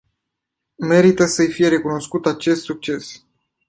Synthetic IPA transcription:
me̞ɾit̪əsəjfije̞ɾe̞kuno̞skut̪at͡ʃe̞st̪suk̚t͡ʃe̞s

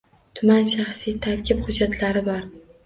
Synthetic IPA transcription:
t̪ʰʊmanʃaχsijt̪ʰaɾkʲʰɪpχʊd͡ʒːat̪ʰlaɾɪbɒɾ

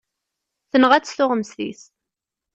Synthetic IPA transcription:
θənəʁæt͡sːθʊʁəmsθḭs

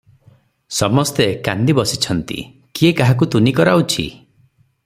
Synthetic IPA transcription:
sɔmɔst̪eka̰nd̪ibɔsit͡ʃʰɔnt̪ḭ | kiekaɦak̬ut̪unikɔɾaut͡ʃʰḭ

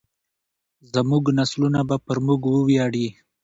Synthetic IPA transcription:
zəmuɡnaslunabapəɾmuɡwəwjɑɽi

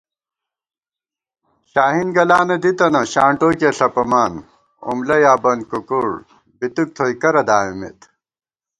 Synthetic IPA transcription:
ɕaːɦinɡɐlaːnɐd̪it̪ɐnɐɕaːɳʈoːkeːɬɐpɐmaːn | ṵmlɐjaːbɐn̚kukuɽ | bit̪uk̚t̪ʰoːjkɐɾɐd̪aːimḛt̪

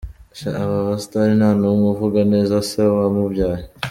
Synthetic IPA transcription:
ʃa̰aβaβast̪aɾinanumuvuɡanezasewamuvjaːje

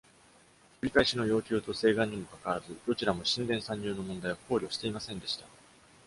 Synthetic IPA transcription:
kɯ̟ɾʲikaiɕino̞jo̞ːkʲɨːt̪o̞se̞ːɡãɲ̟ːimo̞kakaβazɨd̪o̞t͡ɕiɾamo̞ɕĩnd̪ẽ̞ɰ̃sãɲ̟ːɨːno̞mond̪aiako̞ːɾʲio̞ɕi̥t̪e̞imasẽ̞nd̪e̞ɕi̥t̪a

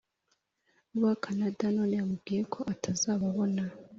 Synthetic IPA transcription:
uwakʰanadanoːneamubɡiɾekʰoʔatʰazaβaβona

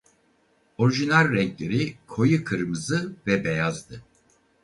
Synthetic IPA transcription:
o̞ɾiʒinalʲɾɛŋclʲeɾikʰo̞jɯkʰɯɾmɯzɯvɛbejazd̪ɯ

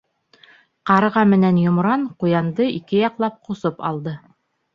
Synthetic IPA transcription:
qɑɾɤ̆ʁɑmɘ̆nænjŏmɾɑɴqujɑnd̪ɤikɘjɑqlˠɑp̚qŏsopɑ̰lˠd̪ɤ

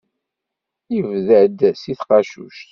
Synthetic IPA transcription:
ivðəd̪siθqɑʃṵʃt̪

